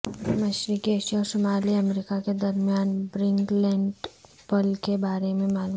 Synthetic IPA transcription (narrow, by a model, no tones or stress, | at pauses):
mɐʃɾikieʃjaɔɾsomaːliɐmɾikaked̪ɐɾmijaːnbɾɪ̃ŋɡlɛ̃ːɳɖ | pəlkebaːɾemẽmaːlu